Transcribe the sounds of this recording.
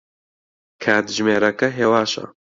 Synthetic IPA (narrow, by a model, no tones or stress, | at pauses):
kʰaːt̪ʒmeːɾɐkɐɦeːwaːʃɐ̰